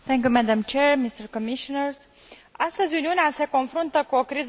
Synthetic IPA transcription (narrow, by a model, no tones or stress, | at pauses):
θɛ̃ŋk̬ʲjumæd̪amt͡ʃeɹmist̪əɾkomiʃonəɾs | ast̪əzʲuniunease̞ko̞nfɾunt̪əkuo̞kɾiz